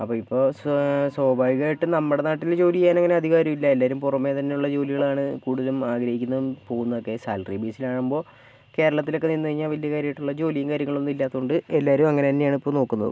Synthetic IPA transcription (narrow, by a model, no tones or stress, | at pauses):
ɐpːoːipːo̞ːsso̞ːbaːjɣaːɾiʈːɨnɐmːɨɽenaːʈːild͡ʑo̞ːlijjaːneŋːɐne̞ɐd̪ʱiɣaːɾjɐmilːɐelːaːɾumpurɐmːe̞ːt̪ɐnːe̞uɭːɐd͡ʑo̞ːliɣɐɭaːɳɨkuːɽuðɐlumaːɡɾɐɦikʲːunːɐðumpo̞ːɣunːɐðo̞kːe̞sa̰ːlribiːsilaːɳumbo̞ː | ke̞ːɾɐɭɐt̪ːilo̞kːe̞ninːɨɐɻiɲːaːʋɐljɐkaːɾjɐjiʈːuɭːɐd͡ʑo̞ːlijɐŋkaːɾjɐŋːɐɭo̞nːilːaːt̪ːɐuɳɖɨelːaːɾuumɐŋːɐnet̪ɐnːejaːɳɨipːo̞ːno̞ːkːunːɐ̰ðɨ̰